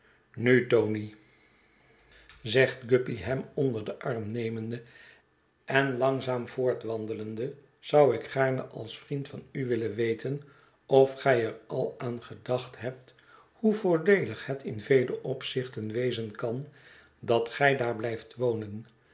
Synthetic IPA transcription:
nytowni | zɛχtɡɵpiɦɛmɔndəɹdəʔɑɹmnejməndə | ɛnlɑŋzaːmvʊːɹtʋɑndələndə | z̥ʌwɪkχaːɹnəʔɑlˠsfrintfɑnyʋɪlənʋejtən | ɔfχɛjərɑlˠaːnχədɑχtɦɛp̚t | huvʊːɹdejləχhətɪnvejləʔɔpsɪχtənʋejzənkɑn | dɑtχɛjdaːɹblɛjftʋownən

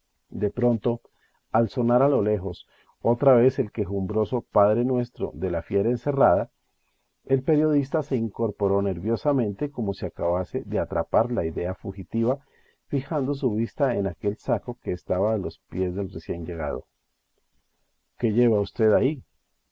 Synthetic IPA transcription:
d̪e̞pɾo̞nt̪o̞ | also̞naɾalo̞le̞xo̞s | o̞t̪ɾaβe̞se̞lke̞xumbɾo̞so̞paðɾe̞nwe̞st̪ɾo̞̰ðe̞lafje̞ɾaense̞rað̞a | e̞lpe̞ɾjo̞ð̞ist̪ase̞iŋko̞ɾpo̞ɾo̞neɾβjo̞samẽ̞nt̪e̞ko̞mo̞siakaβase̞ðe̞at̪ɾapaɾlaiðe̞afuxit̪iβa | fixand̪o̞s̬uβ̞ist̪ae̞nake̞lsako̞ke̞ːst̪aβaːlo̞spje̞zd̪e̞lre̞sje̞nd͡ʒe̞ɣ̞a̰ð̞o̰ | ke̞ʝe̞βaust̪e̞ðai

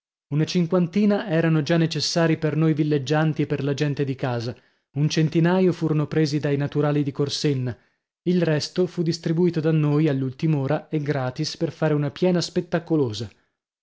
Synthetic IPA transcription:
unat͡ʃiŋkwant̪iːnaɛːɾanod͡ʒanːet͡ʃesːaːɾipernojvilːed͡ʒːant̪ieperlad͡ʒɛnt̪ed̪ikaːza | unt͡ʃent̪inaːjofuːɾonopɾeːzid̪ajnat̪uɾaːlid̪ikorsenːa | ilrɛst̪ofud̪ːist̪ɾibuiːt̪od̪anːojalːult̪imoːɾaeɡɾaːt̪isperfaːɾeunapjɛːnaspet̪ːakoloːza

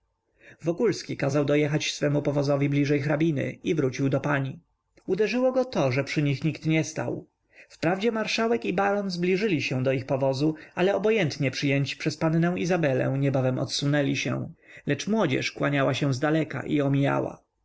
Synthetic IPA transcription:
vɔkulskʲikazawd̪ɔjɛxat͡ɕsfɛmupɔvɔzɔvʲiblʲiʐɛjxɾabʲinɘ̰ivɾut͡ɕiwd̪ɔpaɲi | ud̪ɛʐɘwɔɡɔt̪ɔʐɛpʂɘɲixɲikt̪ɲɛst̪a̰w | fpɾavd͡ʑɛmaɾʂawɛkibaɾɔnzblʲiʐɘlʲiɕɛ̃d̪ɔixpɔvɔzualɛɔbɔjɛnt̪ɲɛpʂɘjɛɲt͡ɕpʂɛspannɛw̃izabɛlɛ̰̃w̃ɲɛbavɛmɔ̰t̪sunɛlʲiɕɛ̰w̃lɛt͡ʂmwɔd͡ʑɛ̰ʂkwaɲawaɕɛ̃w̃zd̪alɛka̰ʔiɔmʲija̰wa̰

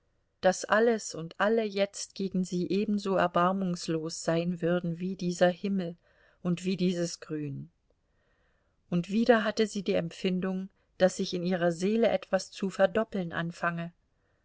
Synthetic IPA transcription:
d̥asʔaləsʊntʔaləjɛt͡stɡ̥eːɡŋ̩ziːʔeːbm̩zoːɛɐbaɐmʊŋsloːsz̥aɪnvʏɐdn̩viːdiːzɐhɪml̩ | ʔʊntv̥iːdiːzəsɡ̥ʁyːn | ʔʊntv̥iːɾɐɦatəziːdiːɛmfɪndʊŋ | d̥asɪçɪniːʁ̞ɐzeːləʔɛtv̥ast͡sufɛɐdɔpl̩nʔa̰nfaŋə

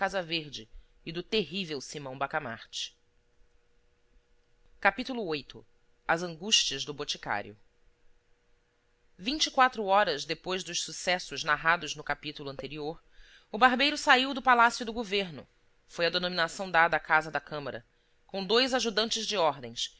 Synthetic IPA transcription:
kazɐveɾd͡ʒɪː | d̪ʊt̪eɦivewsimɐ̃w̃bakama̰ɾt͡ʃɪ̥ | kapit̪ulʊojt̪ʊ | ɐzɐ̃ŋɡuʃt͡ʃiɐzd̪ʊbot͡ʃika̰ɾjʊ | vĩnt͡ʃikwat̪ɾʊɔɾɐzd̪epojzd̪ʊʃsusɛsʊznaɦad̪ʊznʊkapit̪ulʊɐ̃nt̪eɾioɾ | ʊbaɾbejɾʊsaiwd̪ʊpalasjʊd̪ʊɡoveɾnʊ̰ | fojɐd̪enominasɐ̃w̃d̪ad̪ɐːkazɐd̪ɐkɐ̃mɐɾɐ̰ | kõw̃d̪ojzaʒud̪ɐ̃nt͡ʃɪzd͡ʒɪɔɾd̪ẽs

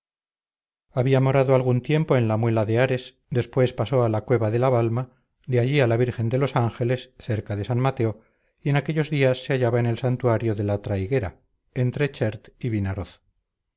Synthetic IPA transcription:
aβiamo̞ɾaðoalɣ̞unt̪je̞mpo̞e̞nlamwe̞laðeaɾe̞s | d̪e̞spwe̞spaso̞alakwe̞βaðe̞laβalma | d̪eaʎialaβiɾxe̞nd̪e̞lo̞saŋxe̞le̞sθe̞ɾkaðe̞sanmat̪e̞o̞ | ie̞nake̞ʎo̞zðiasːe̞aʝaβaene̞lsant̪uaɾjo̞ðe̞lat̪ɾajɣe̞ɾa̰ | e̞nt̪ɾet͡ʃeɾt̪iβinaɾoθ

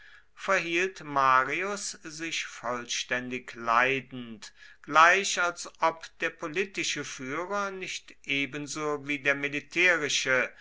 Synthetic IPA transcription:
fɛɐɦiːltmaːʁiʊszɪçfɔlʃtɛndɪklaɪdn̩tɡ̥laɪɕalsʔɔpd̥eːɐpʰoliːtɪʃəfyːʁɐnɪçtʔeːbənzoːviːdeːɐmilitʰɛːʁɪʃə

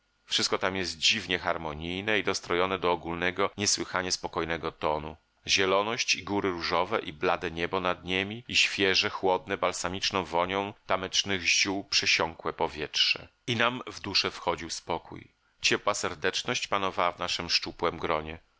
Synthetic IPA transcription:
fʂɘst̪kɔt̪amjɛzt̪̚d͡ʑivɲɛxaɾmɔɲijnɛid̪ɔst̪ɾɔjɔnɛd̪ɔːɡulnɛɡɔɲɛswɘxaɲɛspɔkɔjnɛɡɔt̪ɔnu | ʑɛlɔnɔɕt͡ɕiɡuɾɘɾuʐɔvɛʔiblad̪ɛɲɛbɔnad̪ɲemʲiiɕfʲjɛʐɛxwɔd̪̚nɛbalsamʲit͡ʂnɔ̃w̃vɔɲɔ̃w̃t̪amɛt͡ʂnɘɣʑuwpʂɛɕɔŋkwɛpɔvʲjɛtʂɛ̰ | inamvd̪uʂɛfxɔd͡ʑiwspɔkṵj | t͡ɕɛpwasɛɾd̪ɛt͡ʂnɔɕt͡ɕpanɔvawavnaʂɨmʂt͡ʂupwɛmɡɾɔɲɛ

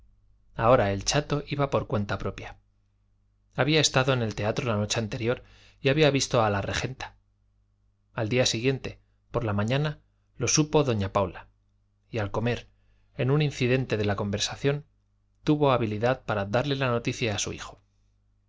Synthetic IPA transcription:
ao̞ɾae̞lt͡ʃat̪o̞ʔiβapo̞ɾkwe̞nt̪apɾo̞pja | aβiae̞st̪aðo̞ene̞lt̪e̞at̪ɾo̞lano̞t͡ʃe̞ant̪e̞ɾjo̞ɾ | iaβiaβist̪o̞alare̞xe̞nt̪ḁ | ald̪iasiɣje̞nt̪e̞ | po̞ɾlamãɲana | lo̞supo̞ðo̞ɲapawla | ialko̞me̞ɾ | e̞nũninθiðe̞nt̪e̞ðe̞lako̞mbe̞ɾsaθjo̞n | t̪uβo̞aβiliðaðpaɾaðaɾle̞lano̞t̪iθjaːsṵḭxo̞

